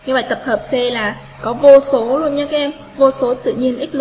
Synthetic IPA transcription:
ɲɨ˧və̰˧˨jt̪ə˨˩p̚həː˨˩p̚sɛ˧laː˨˩ | kɔ˨˦vo˧so˨˦lu˧ənɲa˧˦˩kaː˨˦ʔɛ˧m | vo˧so˨˦t̪ɨ̰˧˨ɲi˧ənʔi̟˦˥l

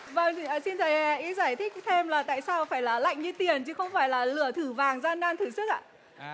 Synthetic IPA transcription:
və˧˩ŋː˨˩si˧nt̪ʰə˨˩jɛ˧˩ʔi˨˦zaː˧˩jt̪ʰï˦˥k̟̚t̪ʰe˧mlaː˨˩t̪a̰ː˧˨jsaː˧wfaː˧˩jlaː˨˩la̰˧˨jŋ̟ɲɨ˧t̪i˨˩ənt͡ɕɨ˨˦xə˧wŋ͡mfaː˧˩jlaː˨˩lɨ˧˩ət̪ʰɨ˧˩vaː˨˩ŋzaː˧nɗaː˧nt̪ʰɨ˨˩sɨ˦˥k̚ʔa̰ː˧˨

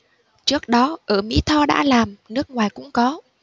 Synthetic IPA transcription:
t͡ɕɨ˦˥ək̚ɗɔ˨˦ʔəː˧˩mḭ˧˥t̪ʰɔ˧ɗa̰ː˧˥laː˨˩mnɨ˦˥ək̚ŋwaː˨˩jkʊ̰˧˥ŋ͡mkɔ˨˦

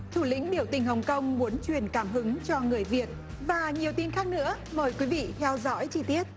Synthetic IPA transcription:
t̪ʰu˧˩lḭ̈˧˥ŋ̟ɗi˧˩əwt̪ï˨˩ŋ̟hɦə˨˩wŋ͡mkə˧wŋ͡mmu˨˦ənt͡ɕwi˨˩ənkaː˧˩mɦɨ˨˦ŋt͡ɕɔ˧ŋɨ˨˩əjvi˨˩ət̚ | vaː˨˩ɲi˨˩əwt̪i˧nxaː˦˥k̚nɨ̰˧˥ə | məː˨˩jkwi˨˦vḭ˧˨t̪ʰɛ˧wzɔ̰˧˥jt͡ɕi˧˩t̪i˦˥ət̚

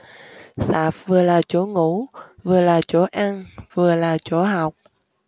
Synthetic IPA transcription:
saː˨˩f̚vɨ˨˩əlaː˨˩t͡ɕo˧˦ŋu˧˥vɨ˨˩əlaː˨˩t͡ɕo˧˦ʔa˧ŋvɨ˨˩əlaː˨˩t͡ɕo˧˦ɦa˨˩wk͡p̚

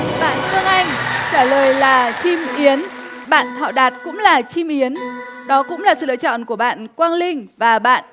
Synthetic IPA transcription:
ɓa̰ː˧˨nsɨ˧əŋʔa˧jŋ̟t͡ɕaː˧˩ləː˨˩jlaː˨˩t͡ɕi˧mʔi˨˦ən | ɓa̰ː˧˨nt̪ʰa̰ː˧˨wɗaː˨˩t̚kʊ̰˧˥ŋ͡mlaː˨˩t͡ɕi˧mʔi˨˦ən | ɗɔ˨˦kʊ̰˧˥ŋ͡mlaː˨˩sɨ̰˧˨lə̰ː˧˨t͡ɕɔ̰˧˨nku˧˩əɓa̰ː˧˨nkwaː˧nlï˧ŋ̟vaː˨˩ɓa̰ː˧˨nʔ

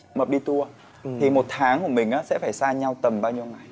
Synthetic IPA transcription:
mə˨˩ɗi˧t̪u˧ə | t̪ʰi˨˩mo˨˩t̚t̪ʰaː˨˦ŋku˧˩əmï˨˩ŋ̟ʔaː˨˦sɛ̰˧˥faː˧˩jsaː˧ɲa˧wt̪ə˨˩mɓaː˧wɲi˧əwŋa˨˩j

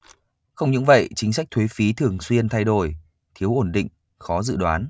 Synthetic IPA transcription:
xə˧wŋ͡mɲɨ̰˧˥ŋvə̰˧˨jt͡ɕï˨˦ŋs̬a˦˥k̟̚t̪ʰwe˨˦fi˨˦t̪ʰɨ˨˩əŋswi˧ənt̪ʰa˧jɗo˧˩j | t̪ʰi˨˦əwʔo˧˩nɗḭ̈˧˨ŋ̟ | xɔ˨˦zɨ̰˧˨ɗwaː˨˦n

